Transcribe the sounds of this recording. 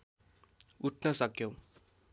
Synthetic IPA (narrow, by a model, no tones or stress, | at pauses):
uʈʰnʌsʌkjow